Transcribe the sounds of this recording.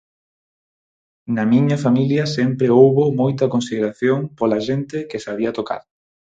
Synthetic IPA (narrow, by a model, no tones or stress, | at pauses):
nɐmiɲɐfamiljɐsɛmpɾeowβomojt̪ɐkonsiðeɾaθjoŋpolaʃent̪ɪkɪsaβ̞iɐt̪oka̰ɾ